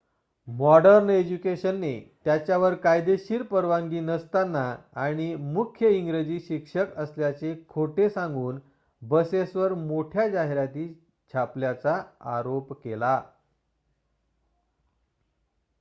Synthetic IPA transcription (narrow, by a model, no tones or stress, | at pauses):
mɔɖəɾned͡ʑukeɕənːet̪jat͡ɕjaʋəɾkajd̪eɕiːɾpəɾʋãŋɡiːnəst̪anːaaɽ̃imukʰjəiŋɡɾed͡ʑiːɕikʂəkəsljat͡sekʰoʈesãŋɡuːn | bəsesʋəɾmoʈʰjad͡ʑaɦeɾat̪iː | t͡ɕʰapljat͡saaɾopkela